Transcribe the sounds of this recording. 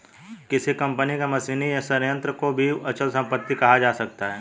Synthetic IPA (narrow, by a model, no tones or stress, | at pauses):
kɪsikɐ̃mpənikamɐsiːnijasɐɾjə̃nt̪ɾəkobʱiɐt͡ʃəlsɐ̃mpət̪ːikɐɦad͡ʒaːsɐk̚t̪aɦɛː